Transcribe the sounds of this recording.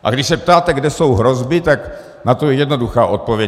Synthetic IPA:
ʔa̰ɡdɪʃsɛp̚t̪aːt̪ɛɡdɛso̞wɦɾo̞zbɪt̪ak | nat̪ojɛjɛdno̞duxaːʔo̞t̪̚po̞vjɛ

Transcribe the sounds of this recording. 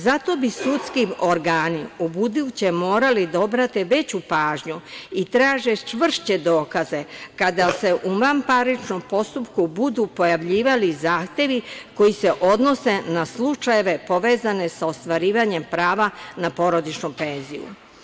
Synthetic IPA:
zat̪o̞bisut̪skioɾɡaːniobud̪iut͡ɕemoːɾalid̪aobɾat̪iʋe̞t͡ɕupaːʒɲuit̪ɾaːʒe̞t͡ʃʋr̩ʃt͡ɕe̞d̪o̞ːkaze̞kad̪ase̞ʔumampaɾit͡ʃnompo̞st̪upkubud̪upo̞jaʋʎiːʋalizaːxt̪e̞ʋiko̞jise̞ʔo̞d̪no̞se̞naslˠut͡ʃaje̞ʋe̞po̞ʋe̞ːzane̞sao̞st̪ʋaɾiːʋaɲe̞mpɾaːʋanapo̞ɾo̞d̪it͡ʃnupe̞nzḭjṵ

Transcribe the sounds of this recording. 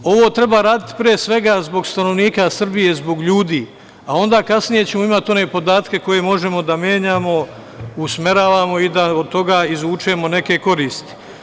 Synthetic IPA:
o̞ʋoːt̪ɾe̞baɾaːd̪it̪i̥pɾiesʋe̞ɡaːzbo̞ɡst̪ano̞ʋniːkasr̩bije̞zbo̞ɡʎuːd̪iː | ao̞nd̪aːkasnije̞t͡ɕe̞mo̞imat̪o̞ne̞ːpo̞d̪aːt̪ke̞ko̞je̞mo̞ʒe̞mo̞d̪amjeːɲaːmo̞ | usme̞ɾaːʋaːmo̞id̪aod̪̚t̪o̞ɡaːizuːt͡ʃemo̞ne̞ke̞ko̞ɾiːst̪i̥

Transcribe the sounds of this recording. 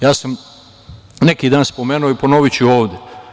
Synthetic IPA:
jaːsam | nekiːd̪aːnspo̞meːnuoiponoʋit͡ɕuoːʋd̪ʲje

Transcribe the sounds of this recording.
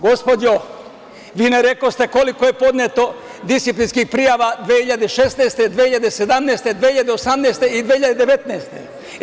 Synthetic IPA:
ɡo̞spod̪o | ʋiːneɾekost̪e̞ko̞likojepo̞d̪net̪o̞ | d̪isiplinskixpɾijaʋad̪ʋehiʎad̪eʃest̪neːst̪ed̪ʋehiʎad̪esed̪amnest̪ed̪ʋehiʎad̪eosamneːst̪eid̪ʋehiʎad̪ed̪eʋet̪neːst̪ḛ

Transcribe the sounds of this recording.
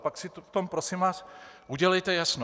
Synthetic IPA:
paksɪt̪t̪ompɾosimvaːsʔuɟɛlɛjt̪ɛjasno

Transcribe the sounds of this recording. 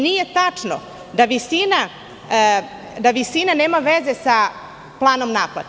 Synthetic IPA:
nije̞t̪at͡ʂno̰ | d̪aʋisina | d̪aʋisinaneːmaʋeze̞sa | plˠaːno̞mnaːplˠa̰t̪

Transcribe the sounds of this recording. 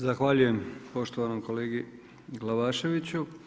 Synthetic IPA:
zaxʋaːʎuje̞mpo̞ʃt̪oʋanomko̞leːɡi | ɡlˠaʋaːʃe̞ʋit͡ɕu

